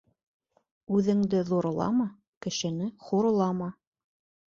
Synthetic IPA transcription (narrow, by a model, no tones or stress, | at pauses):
ʉðɘ̆ŋd̪ɘðuɾŏlˠɑ̰mɑ | kɘ̆ʃɘ̆nɘχuɾŏlˠɑmɑ